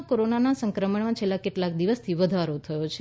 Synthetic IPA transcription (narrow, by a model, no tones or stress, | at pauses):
koɾonanasə̃ŋkɾəməɳmãt͡ʃʰelːakeʈlakd̪iʋəst̪ʰiʋəd̪ʱaɾot̪ʰəjot͡ʃʰ